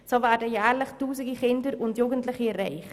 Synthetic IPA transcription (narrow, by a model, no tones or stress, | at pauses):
sovæːrdəjæːrləχtuːsəɡiχɪndəɾʊntjuːɡəntləχiərɛjχ